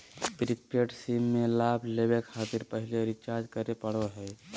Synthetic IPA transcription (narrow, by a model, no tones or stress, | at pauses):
pɾipiəʈsimːelabʱlebekʰaːt̪iɾpəɦileɾit͡ʃaɾd͡ʒkəɾepəɽ̤oɦɛ